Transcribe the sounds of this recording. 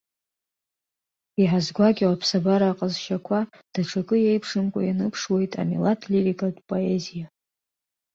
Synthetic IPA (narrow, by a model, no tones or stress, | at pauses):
iħazɡʷaɡʲiwapʰsabaɾaːqʼzʃakʷʰa | d̥aʈ͡ʂʰakʼɨjejpʰʂɨmkʷʼa̰janɨpʰʂwe̞jtʼa̰milatʰlirikʼadʼpʼo̞ezija